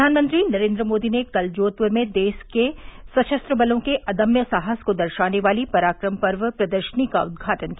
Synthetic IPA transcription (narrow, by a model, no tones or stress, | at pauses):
aːnmə̃nt̪ɾinɐɾẽːnd̪ɾəmoːd̪inekɐld͡ʒoːt̪̚pʊɾmẽd̪eːʃkesɐt͡ʃɐst̪ɾəbɐlõkeʔɐd̪əmjəsaːɦəskod̪ɐɾʃaːneʋaːlipɐɾaːkɾəmpɐɾʋəpɾɐd̪əɾʃənikaʊd̪̚ɡʱaːʈənki